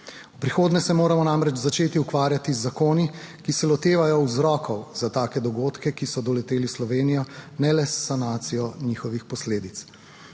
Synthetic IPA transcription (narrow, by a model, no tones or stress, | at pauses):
upɾixoːd̪nɛsɛmoːɾamɔnamɾɛd͡ʒt͡ʃzat͡ʃeːt̪iukʋaːɾjat̪izːakoːni | kisɛlɔt̪eːʋajɔwzɾɔːkʰɔwz̥at̪aːkɛd̪ɔɡoːt̪kɛkisɔd̪ɔlɛt̪eːlislɔʋeːnijɔnɛlɛsːanaːt̪sijɔniːxɔʋixpɔsleːd̪it̪s